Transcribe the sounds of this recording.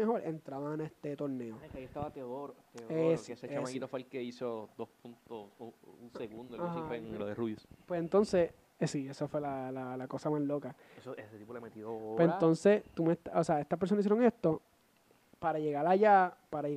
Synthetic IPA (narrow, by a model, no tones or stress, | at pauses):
eho̞ɾe̞nt̪ɾaβanest̪et̪o̞ɾne̞okaiest̪aβat̪eoðoɾot̪eoeseset͡ʃeamaɡit̪ofalkeisod̪ospunt̪osuŋseɣund̪oahieŋloðeruβjospwesent̪o̞nse | esiesofwelalalako̞samaslo̞ka | esoeset̪ipolemet̪iðopwesent̪o̞nset̪umet̪aoseaest̪aspeɾsonasis̬jɾo̞ŋest̪o̞ | paɾaʝe̞ɣalaʝapaɾae